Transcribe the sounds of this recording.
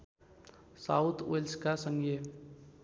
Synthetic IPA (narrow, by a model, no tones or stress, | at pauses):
saːʊt̪ʰelskasə̃ŋɡe